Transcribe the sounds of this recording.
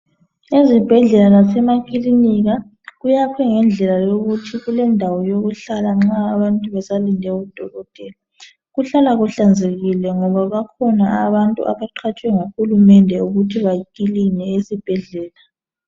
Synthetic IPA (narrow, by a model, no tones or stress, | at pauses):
ezib̥ʱɛɮɛlalasɛmakʰʼiliniɣa | ɣujakʰɛŋɛnd͡ɮʱɛlajoɣutʰiɣulɛndʱawɔjoɣuɬalaŋ͡ǁaːβantʼuβɛsalindʱɛɣud̥ʱɔlɔd̥ʱɛla | ɣuɬalaɣuɬand͡zʱeɣilɛŋɔβaβakʰɔnaaβantʼṵʔa̰βaǃʰat͡ʃʼwɛŋaxulumɛndʱɛuɣutʰiβakilinɛesib̥ʱɛɮɛːla